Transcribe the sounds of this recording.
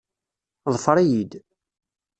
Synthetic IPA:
ðˤəfəɾˤijid̪

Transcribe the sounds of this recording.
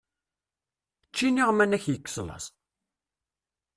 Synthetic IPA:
t͡ʃːiniʁmænæçjəkːslɑ̰s

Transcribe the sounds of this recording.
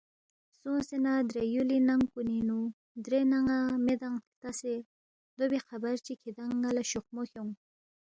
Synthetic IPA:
sõsenad̪ɾejulinaŋkuninu | d̪ɾenaŋamed̪aŋt̪ase | d̪obexabaɾt͡ʃikʰid̪aŋɡalaʃoqmoxoŋ

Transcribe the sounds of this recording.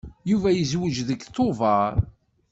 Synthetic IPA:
juvæjəzwəd͡ʒðəɡθovɑɾˤ

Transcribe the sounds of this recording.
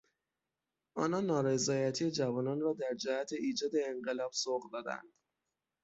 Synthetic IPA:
ʔɒːnɒːnːɒːɾezɒːjæt̪ʰijed͡ʒævɒːnɒnrɒːd̪æɾd͡ʒæhæt̪ʰe̞iːd͡ʒɒːd̪e̞ːŋɢe̞lɒːb̥soɣd̪ɒːd̪æ̰nd̪̥

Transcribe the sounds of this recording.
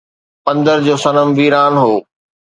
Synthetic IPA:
pɐ̃nd̪əɾd͡ʑoːsɐnəmʋiːɾaːnɦoː

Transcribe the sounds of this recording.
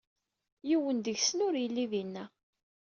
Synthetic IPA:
jiwənd̪əʝsənʊɾjəlːiðinːæ

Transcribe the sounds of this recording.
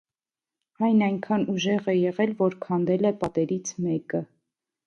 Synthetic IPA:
ɑjnɑjŋkʰɑnuʒɛʁɛjɛʁɛlvɔɾkʰɑnd̪ɛlɛpɑt̪ɛɾit͡sʰmɛkə

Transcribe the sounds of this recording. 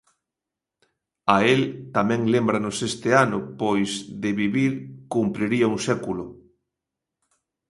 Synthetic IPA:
aelt̪amɛ̃ŋlembɾanosest̪ɪanʊpojzðɪβiβiɾkumpɾiɾiɐuŋsɛkulʊ

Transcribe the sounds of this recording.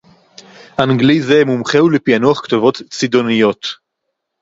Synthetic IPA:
ʔanɡlizemumχewlepianuaχktovo̞t̪t͡sid̪o̞nijo̞t

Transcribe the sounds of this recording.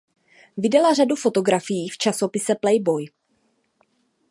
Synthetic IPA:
vɪdɛlar̝adufo̞t̪o̞ɡɾafɪjiːft͡ʃaso̞pɪsɛplɛjbo̞j

